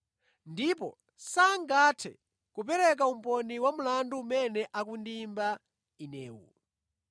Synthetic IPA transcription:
ndipɔ | saŋɡatʰɛ | kup̬ɛɾɛk̬aum̩pɔniwamulanduːmɛnɛʔakundimba | inɛːwṵ

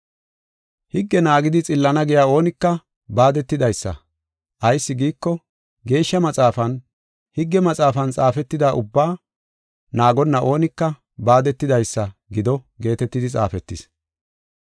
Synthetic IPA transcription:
hɪɡːɛnaːɡɪd̪ɪt͡sʼɪlːɐnɐɡɛjaːo̞ːnɪkːɐ | baːd̪ɛt̪ːɪd̪ɐjsːɐ̰ | ʔɐjsːɪɡiːkːɔ | ɡe̞ːʃːɐmɐt͡sʼaːfɐn | hɪɡːɛmɐt͡sʼaːfɐnt͡sʼaːfɛt̪ːɪd̪aːʔʊbːaː | naːɡɔnːɐʔo̞ːnɪkːɐ | baːd̪ɛt̪ːɪd̪ɐjsːɐɡɪd̪ɔ | ɡe̞ːt̪ɛt̪ːɪd̪ɪt͡sʼa̰ːfɛt̪ːɪs

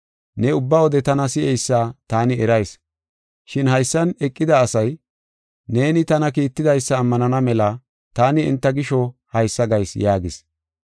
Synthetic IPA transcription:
nɛʊbːɐwɔd̪ɛt̪ɐnɐsɪɛjsːaːt̪aːnɪɛɾɐjs | ʃɪnhɐjsːɐnɛkʼːɪd̪ɐːsɐj | ne̞ːnɪt̪ɐnɐkiːt̪ːɪd̪ɐjsːɐːmːɐnɐnɐmɛlɐ | t̪aːnɪɪ̰nt̪ːɐɡɪʃɔhɐjsːɐɡɐjsjaːɡɪs

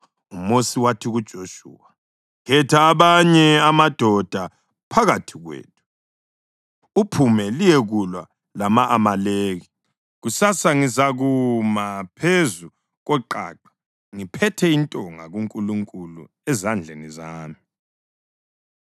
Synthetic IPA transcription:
umosiwatʰiɣud̥ʒ̥ʱoʃṵːa | ɣɛtʰaːβaɲɛamad̥ʱɔd̥ʱa | pʰaɣatʰiɣwḛːtʰu̥ | upʰumɛlijɛɣulwa | lamaʔːmaleːɣi | ɣusasaŋizaɣumapʰezu | ɣwɛǃa̰ːǃḁ | ŋipʰɛtʰɛintʼɔŋa̰ɣuŋkʼuluŋkʼulṵ | ɛzand͡ɮʱenizaːmi

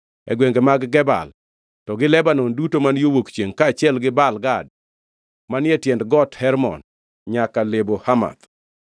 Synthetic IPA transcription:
ɛ̰ɡweŋɡemaɡːɛba̰l | tɔɡɪlɛbanɔndutomanjowokt͡ʃeŋkaːt͡ʃɪɛlɡɪbalɡad̚ | manjɛtjɛndɡɔthɛɾmɔ̰n | ɲakalebohama̰t̪

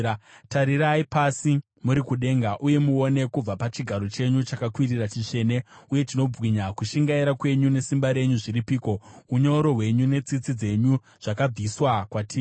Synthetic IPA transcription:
taɾiɾaipasi | muɾikuɗe̞ŋɡaʔuje̞muo̞ne̞kub͡vapat͡ʃiɡʱaɾo̞t͡ʃe̞ɲut͡ʃakakwirirat͡ʃit͡ʂe̞ːne̞uje̞tino̞b͡vɣiɲakuʃiŋɡaiɾakwe̞ɲune̞simbaɾe̞ɲuʐiɾipiːko̞uɲo̞ɾo̞ɦwe̞ɲune̞t͡sit͡sid͡ze̞ɲu | ʐ̥akab͡viswakwatiː

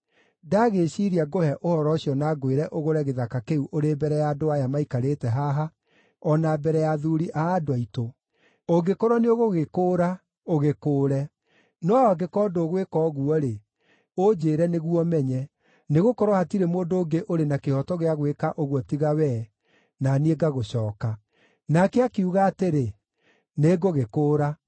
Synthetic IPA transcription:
daɣeɕiɾiaɡohɛʔohɔɾɔɕiɔnaɡweɾɛʔoɣoɾɛɣeðakakeuʔoɾeːbɛɾɛjaːdoajamaikaɾeːtɛɦaɦa | ɔnabɛɾɛjaðuɾiʔaːdoaito | oɡekoɾɔneoɣoɣekoːɾa | oɣekoːɾɛ | nɔaɔaɡekɔːdoɣwekɔːɣuɔɾe | od͡ʒeːɾɛneɣuɔmɛɲɛ | neɣokɔɾɔhatiɾemoːdoːɡeʔoɾenakehɔtɔɣeaɣwekaʔoɣwɔtiɣawɛ | nanieɡaɣoɕɔːka | nakɛakeuɣaːteɾe | neɡoɣekoːɾa

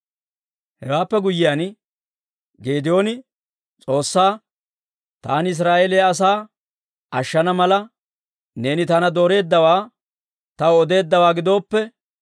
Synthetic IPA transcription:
hɛwaːpːɛɡʊjːɪjaːn | ɡe̞ːd̪ɪjo̞ːnɪ | t͡sʼo̞ːsːaː | t̪aːnɪs̬ɾaːeːlejɐs̬aː | ʔɐʃːɐnɐmɐlɐ | ne̞ːnɪt̪ɐnɐd̪o̞ːɾe̞ːd̪ːɐwaː | t̪ɐwɔd̪e̞ːd̪ːɐwaːɡɪd̪o̞ːpːɛ

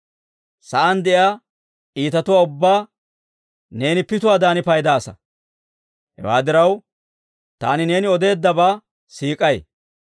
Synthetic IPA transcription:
sɐʔɐnd̪ɛʔjaː | ʔiːt̪ɐt̪ʊwaːʊbːaː | ne̞ːnɪpɪt̪ʊwaːd̪aːnɪpɐjd̪aːsɐ̰ | hɛ̰wa̰ːd̪ɪɾɐw | t̪a̰ːnɪne̞ːnɪɔd̪e̞ːd̪ːɐbaː | siːkʼɐj

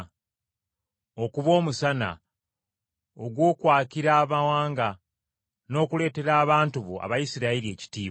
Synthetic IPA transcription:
o̞kuβo̞ːmusana̰ | oɡwo̞ːkwaːciɾaːβawaːŋɡa | no̞ːkule̞ːte̞ɾaːβaːntuβo̰a̰βajisiɾaiɾie̞ːci̥tiːβa

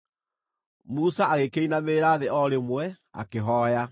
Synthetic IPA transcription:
musaaɣekeinameːɾaːðeɔɾemwɛ | a̰keɦɔːja

